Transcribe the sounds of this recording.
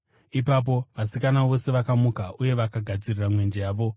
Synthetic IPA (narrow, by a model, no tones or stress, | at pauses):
ipap̬o̞ʋasikanaʋo̞se̞ʋakamukaʔuje̞ʋakaɡʱad͡ziriramwe̞nd͡ʒejaːʋo̞